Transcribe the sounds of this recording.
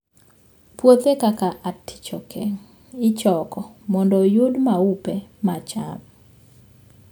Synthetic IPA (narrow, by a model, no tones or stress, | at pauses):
pwot̪ekakaʔatːi̥t͡ʃɔkʰɛŋ | ɪt͡ʃɔkɔmɔndɔjudmaupemat͡ʃa̰p